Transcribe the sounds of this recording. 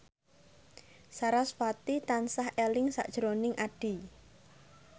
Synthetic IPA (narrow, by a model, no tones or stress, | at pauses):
saɾaswat̪it̪ansahelɪŋsa̰ʔd̥ʒ̥əɾonɪŋʔaɖ̥i̤